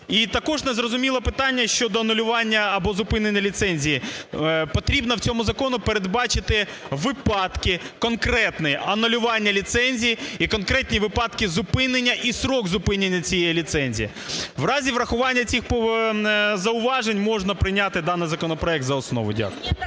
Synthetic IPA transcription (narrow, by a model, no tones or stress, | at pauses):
it̪ɐkɔʐnezrɔzʊmʲilˠɔpɪt̪ɑnʲːɐʃt͡ʃɔd̪ɔɐnʊlʲʊʋɑnʲːɐɐbɔzʊpɪnenʲːɐlʲit̪sɛnʲzʲijipɔt̪ɾʲibnɐwt͡sʲɔmʊzɐkɔnʊpeɾed̪bɑt͡ʃɪt̪ɪ | ʋɪpɑt̪kɪkɔnkɾɛt̪nɪjʔɐnʊlʲʊʋɑnʲːɐlʲit̪sɛnʲzʲijiikɔnkɾɛt̪ʲnʲiʋɪpɑt̪kɪzʊpɪnenʲːɐʔisɾɔɡzʊpɪnʲenʲːɐt͡sʲijɛjilʲit̪sɛnʲzʲḭji | ʋrɑzʲiʋrɐxʊʋɑnʲːɐt͡sʲixp | zɐʊʋɑʒenʲmɔʐnɐpɾɪjnʲat̪ɪd̪ɑnːɪjzɐkɔnɔpɾɔɛk̚t̪zɐɔsnɔ̰ʋʊ̰dʲa̰kʊj